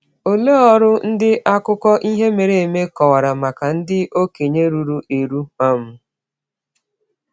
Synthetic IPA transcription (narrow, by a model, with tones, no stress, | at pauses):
o˨le˦ɔ˦ɾʊ˦n̩˦dɪ˦ʔa˦kʊ˦kɔ˦ʔi˦ɦe˦me˨ɾe˨e˨me˦kɔ˨wa˨ɾa˨ma˨ka˨n̩˦dɪ˦o˦ke˨ɲe˦ɾu˨ɾu˨e˨ɾu˦ma˦m̩˦